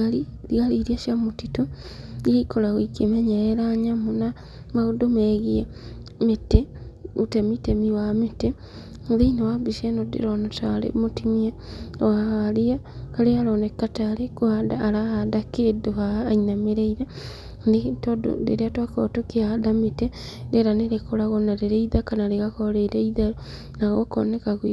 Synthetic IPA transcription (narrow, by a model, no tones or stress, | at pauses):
ai | ɾiɣaliːɾiaʃjamotito | ieikoɾaɣoikemɛɲɛɾɛɾaɲamona | maɣodomɛɣia | meteutemitemiwamete | ðeinawabiʃɛnodḛɾɔnataɾḛmotimiaɔahaɾiakaɾeaɾɔnɛkːataɾekohadaːɾahadakedohaːinameɾeiɾa | netɔdo̰dḛɾeatwakɔtokeahadametedeɾaneɾekɔɾaɣɔnaɾeɾeiðakanaɾeɣakɔɾeɾeiða | naɣɔkɔ̰nɛkaɣwi